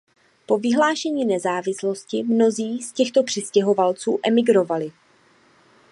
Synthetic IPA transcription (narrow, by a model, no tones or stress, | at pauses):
po̞vɪɦlaːʃɛɲiːnɛzaːvɪslo̞scɪmno̞ziːscɛxt̪o̞pr̥ɪscɛɦo̞valt͡suːʔɛmɪɡɾo̞valɪ